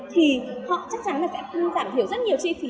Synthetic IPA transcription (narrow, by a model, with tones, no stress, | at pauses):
t̪ʰi˨˩hɔ̰˧˨t͡ɕa˦˥k̚t͡ɕa˨˦nlaː˨˩sɛ̰˧˥kə˧nzaː˧˩mt̪i˧˩əwzə˦˥t̚ɲi˨˩əwt͡ɕi˧fi˨˦